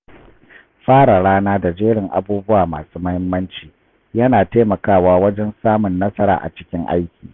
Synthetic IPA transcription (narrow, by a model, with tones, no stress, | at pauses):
ɸaː˦ɽa˨ɽaː˦naː˦da˨d͡ʒeː˦ɽɪ˨ŋʔa̰˨buː˦bʊ˦waː˨ma̰ː˨suː˦mɐ˦hɪ˦mːɐ˦nt͡ʃiː˨ | jɐ˦naː˨teː˦mɐ˨kaː˦˨waː˦wɐ˦d͡ʒɛ˦nsaː˦mʊ˨nːɐ˦sɐ˦ɾa̰ː˨ʔa̰˨t͡ʃɪ̥˦kʲɪ˦ŋʔa̰˦jkʲiː˨